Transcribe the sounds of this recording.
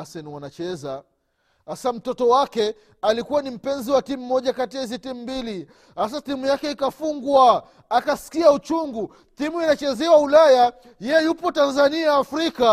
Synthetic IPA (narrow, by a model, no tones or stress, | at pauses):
asɛnwanat͡ʃɛza | asam̩tɔtɔwakɛ | alikuwanim̩pɛnziwatim̩ːɔʄakatiaizitimumbili | has̬aθimujakɛikafuŋɡwa | akasi̥kiaut͡ʃuŋɡu | θimuinat͡ʃɛzɛwaulaja | jɛjɛjupɔtanzaniaːfɾika